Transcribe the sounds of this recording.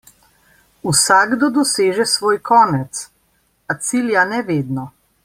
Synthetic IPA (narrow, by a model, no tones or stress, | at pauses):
usaɡd̪ɔd̪ɔseːʒɛsʋoːjkʰɔːnɛt̪s | at̪siljanɛʋeːd̪nɔ